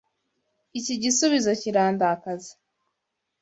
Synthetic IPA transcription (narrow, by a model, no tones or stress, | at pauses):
iciɟisuβizo̞ciɾaːndakaze̥